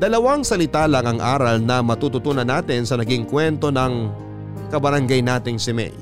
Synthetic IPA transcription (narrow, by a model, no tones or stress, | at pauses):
d̪̥ɐlɐwɐŋsɐlɪt̪aːlɐŋɐŋʔa̰ːɾɐlnɐmɐt̪uːt̪ʊt̪uːnɐnaːt̪ɪnsɐnɐɡiŋkwɛnt̪o̞nɐŋ | kɐbɐɾɐŋɡajnaːt̪ɪŋsɪmɛ̰j